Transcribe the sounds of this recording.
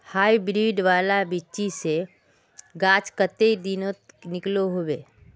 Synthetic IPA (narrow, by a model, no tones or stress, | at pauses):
haːibɾiːɖʋaːlabɪʃise | ɡaːt͡ʃkət̪ed̪ɪnõnɪkloɦoweː